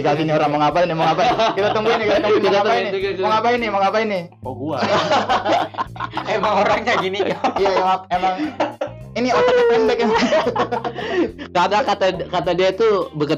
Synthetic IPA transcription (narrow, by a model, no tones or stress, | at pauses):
ikaɡinioɾaŋməŋapainimaŋapakit̪at̪əŋɡuinik̪aəŋukit̪aaainiməŋapainimaŋapaini | oɡua | emaŋoɾaŋkaɡinikaijajamaemaŋ | iniot̪at̪aɛmbɛk̚em | kadakat̪akat̪adiat̪ubəkə